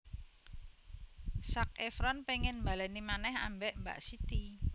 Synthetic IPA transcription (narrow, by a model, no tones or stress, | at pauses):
sak̚efɾɔnpeŋɪnmbalɛnimanɛha̰mbɛʔmba̰ʔsit̪i